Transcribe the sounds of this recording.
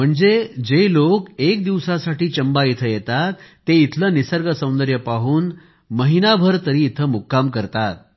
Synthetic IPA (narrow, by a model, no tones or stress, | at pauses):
m̤əɳd͡zed͡ʑelokek̚d̪iʋsasaʈiːt͡ɕəmbait̪ʰəjet̪at̪ː | eit̪ʰləːnisəɾɡəsə̃w̃nd̪əɾjəpaɦuːn | məɦinabʱəɾt̪əɾiːt̪ʰəmukːamkəɾt̪at̪̚